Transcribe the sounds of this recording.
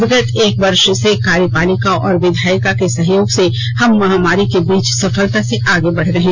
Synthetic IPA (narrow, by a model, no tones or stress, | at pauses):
ɡət̪eːkʋɐɾʃsekaːɾjəpaːlɪkaʔɔːɾʋɪd̪ʱaːjkakesɐɦjoːɡse | hɐmːɐɦaːmaːɾikebiːt͡ʃsɐfəlt̪aseʔaːɡebɐɽ̤ɾɐɦẽː